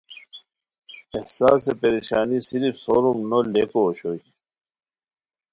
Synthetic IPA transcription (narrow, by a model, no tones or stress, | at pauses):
ehsa̰ːs̬epeɾiɕaːnisiɾifsoɾumnolekoːɕoji